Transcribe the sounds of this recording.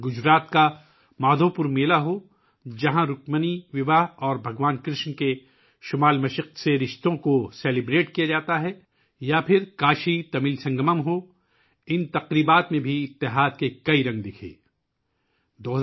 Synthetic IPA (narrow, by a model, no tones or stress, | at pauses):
ɡʊd͡ʒɾaːt̪ka | maːd̪ʱopʊɾmeːlaɦo | d͡ʒɐɦãɾʊkməniʋɪʋaɦɔːɾbʱɐɡʋaːnkɾɪʃnke | ʃʊmaːlmɐʃəq̪̚seɾɪʃt̪õkoseːlɪbɾeːʈkijad͡ʒaːt̪aɦɛ | japʰɪɾkaːʃit̪ɐmɪlsɐ̃ŋɡəməmɦo | ɪnt̪ɐqɾiːbaːt̪mẽbʱiɪt̪ːɪɦaːd̪̚kekɐiɾɐ̃ŋɡd̪ɪkʰḛː | d̪oːɦ